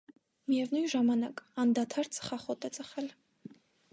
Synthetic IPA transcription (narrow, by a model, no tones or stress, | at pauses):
miɛvnuj̪ʒɑmɑnɑkɑnd̪ɑt̪ʰɑɾt͡sʰʼə̥χɑχɔt̪ɛt͡sʼəχɛl